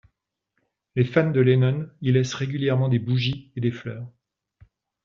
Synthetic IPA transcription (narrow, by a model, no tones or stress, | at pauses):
lefand̪əlenɔnilɛsʁeɡʲyljɛʁmɑ̃d̪ebuʒied̪eflœːʁ